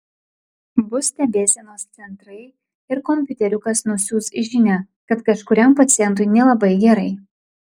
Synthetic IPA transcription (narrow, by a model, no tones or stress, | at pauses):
bʊsʲt̪ʲɛbʲeːsʲɛnoːst̪sʲɛnt̪ɾɐɪ | ɪɾkɔmʲpʲʊt̪ʲɛɾʲʊkɐsnʊsʲuːsɪʒʲɪnʲæ | kɐt̪kɐʃkʊɾʲɛmpɐt̪sʲɪjɛnt̪ʊɪnʲɛlˠɐbɐɪɡʲɛɾɐɪ